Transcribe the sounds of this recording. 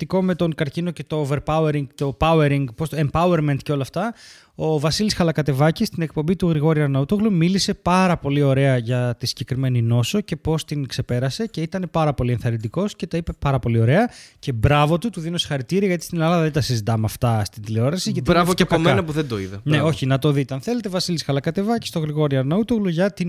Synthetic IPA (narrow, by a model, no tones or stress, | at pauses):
t̪iko̞me̞t̪o̞ŋkɐɾcino̞ce̞t̪o̞ve̞ɾpɐueɾiŋɡt̪o̞pɐueɾiŋɡpost̪oempɐue̞ɾment̪ceo̞lɐft̪ɐ | o̞vɐsilisxɐlɐkɐt̪e̞vɐcist̪ine̞kpo̞mbit̪uɣɾiɣo̞ɾiɐɾnɐut̪oɣlumilise̞pɐɾɐpo̞lio̞ɾe̞ɐʝɐt̪isiɟe̞kɾime̞nino̞soce̞po̞st̪iŋkse̞pe̞ɾɐse̞ceit̪ɐne̞pɐɾɐpo̞lie̞nθɐɾind̪iko̞sce̞t̪ɐipe̞pɐɾɐpo̞lio̞ɾe̞ɐce̞bɾɐvo̞t̪ut̪uðino̞se̥xɐɾit̪iɾiɐʝɐt̪i̥st̪inɐlɐðɐðet̪ɐsizit̪ɐmeɐft̪ɐst̪ind̪ileo̞ɾɐsizʝɐt̪iɾavɐpomenɐpuðed̪oḭðɐneo̞çinɐt̪o̞ðit̪eɐnθe̞let̪evɐsilisxɐlɐkɐt̪e̞vɐci̥st̪oɣɾiɣo̞ɾiɐɾnɐut̪oɣluʝɐt̪in